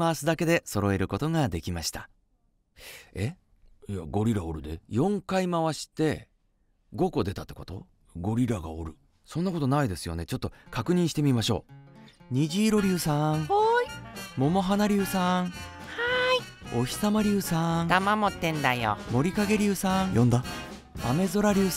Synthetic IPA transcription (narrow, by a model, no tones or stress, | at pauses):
maβasɨd̪ake̞d̪e̞so̞ɾo̞e̞ɾɯ̟ko̞t̪o̞ŋad̪e̞kʲimaɕi̥t̪ḁ | e̞ | ia̰ɡo̞ɾʲiɾaoɾɯ̟d̪e̞̰jõ̞ŋkaimaβaɕi̥t̪e̞ | ɡo̞ko̞d̪e̞t̪at̪ːe̞ko̞t̪o̞̰ | ɡo̞ɾʲiɾaɡa̰o̰ɾɯ̟̰ | sõ̞nːako̞t̪o̞naid̪e̞sɨjo̞̰ne̞t͡ɕo̞t̪ːo̞kakɯ̟ɲ̟ĩɕi̥t̪e̞mʲimaɕo̞̰ːɲ̟iʑiːɾo̞ɾʲiɯːsãŋ | mo̞mo̞ɦanaɾʲɨːsãŋhaio̞çʲi̥samaɾʲiɯːsãd̪amamot̪ːẽ̞nd̪ajo̰mo̞ɾʲikaɡe̞ɾʲɨːsãŋjõ̞nd̪a | ame̞zoɾaɾʲɯː